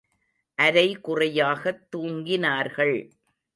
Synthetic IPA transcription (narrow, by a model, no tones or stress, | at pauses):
ʔɐɾɐɪkʊrɐjaːɣɐt̪ːuːŋɡɪnaːɾɣɐɭ